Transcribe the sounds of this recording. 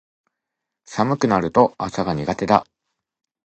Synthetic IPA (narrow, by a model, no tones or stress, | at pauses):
samɯ̟kɯ̟naɾɯ̟t̪o̞asaɡaɲ̟iɡat̪e̞d̪a̰